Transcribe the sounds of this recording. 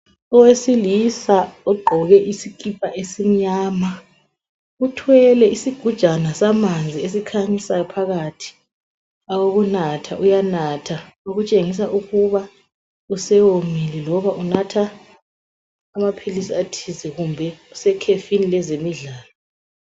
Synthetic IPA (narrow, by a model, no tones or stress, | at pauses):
ɔwesilisaɔɡ͡ǃʱɔɣɛʔisikʼip̚ʰʼaʔesim̩ɲaːma | utʰwɛlɛisiɡ̥ʱud̥ʒ̥ʱanasamand͡zʱies̬ikʰaɲisajɔpʰaɣatʰi̥ | awoɣunatʰaʔujanatʰa | oɣut͡ʃʼeŋis̬aʔuɣuβa | usɛwomilɛlɔβaʔunatʰa | mapʰilisiatʰizɛɣumbʱɛusɛkʰefinilɛzemiɮaːlɔ